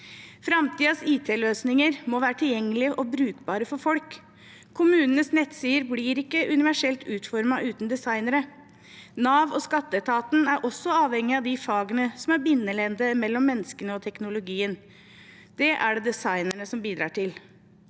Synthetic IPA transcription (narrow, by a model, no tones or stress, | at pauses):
fɾɑmt̪ʰiːɑsiːt̪ʰeːløːsnɪŋəɾmɔʋæːɾəʈʰɪljɛŋːəlɪəʔɔbɾʉːkbɑːɾəfɔɾfɔlkʰː | ʊmʉːnənəsnɛt̪siːəɾbliːɾɪkːəʔʉnɪʋæʂɛlt̪ʉːt̪fɔɾmɑʔʉːt̪n̩d̪ɛsɑɪnəɾə | nɑːʋɔskɑt̪ːət̪ʰɑːt̪n̩æɾʔɔsːɔɑːʋhɛŋːɪɑʋd̪ɪfɑːɡənəsɔmæɾbɪnːəlɛnd̪əmɛlːɔmːɛnːəskənəɔt̪ʰɛknʊlʊɡiːən | d̪̥ɛʔæɖɛd̪ɛsɑɪnəɳəsɔmbiːd̪ɾɑ̰ːʈʰɪl